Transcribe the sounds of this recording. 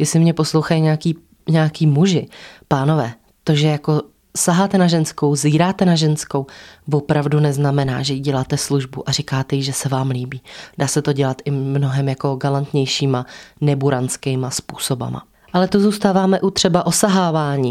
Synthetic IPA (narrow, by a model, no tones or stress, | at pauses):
jɛsɪmɲɛpo̞slowxajiɲɛakiː | ɲaːkiːmuʒɪpaːno̞vɛː | t̪o̞ʒɛjako̞ | saɦaːt̪ɛnaʒɛnsko̞wziːɾaːt̪ɛnaʒɛnsko̞wvo̞pɾavdunɛznamɛna̰ːʒɛjiɟɛlaːt̪ɛsluʒbuʔaɾikaːt̪ɛjɪʒɛsɛvaːmliːbiːdaːsɛt̪o̞ɟɛlat̪ʔɪmno̞ɦɛmjako̞ɡalant̪ɲɛjʃiːmanɛbuɾant͡skɛjmaspuːso̞ba̰ma̰ | ʔalɛt̪ozuːst̪aːvaːmɛʔut̪r̝̥ɛbaʔo̞saɦaːvaːɲiː